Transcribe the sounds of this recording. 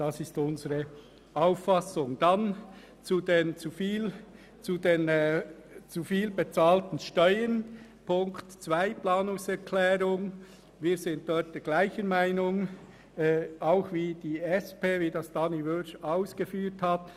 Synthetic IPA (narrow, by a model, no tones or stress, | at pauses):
d̥ɑsɪstʊnzəʁə | aʊfːɑsʊŋd̥an | t͡sudent͡sufiːl | t͡sudeːn | t͡sufiːlbet͡sɑːltn̩ʃtœʏən | pʊŋktt͡svaɪplɑːnʊŋsɛɾkʰlɛːɾʊŋ | viːɾzɪnt̚d̥ɔɾt̚d̥ɛːɡ̥laɪçənmaɪnʊŋː | aʊxviːd̥iːɛspeːviːdɑsd̥ɑːnivøʃaʊsɡ̥əfyːthɑt